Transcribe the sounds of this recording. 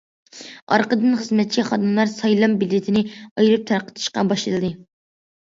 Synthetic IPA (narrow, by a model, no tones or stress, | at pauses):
ɑɾqəd̪ɨnχəzmɛt̪̚t͡ʃʰiχɑd̪ɨmlˠɑɾsɑjlˠɑmbɪlːɪt̪ʰɪnɪɑjɾɨp̚t̪ʰæɾqə̥t̪ʰɨ̥ʃqɑbɑʃlɨlˠɨd̪ɨ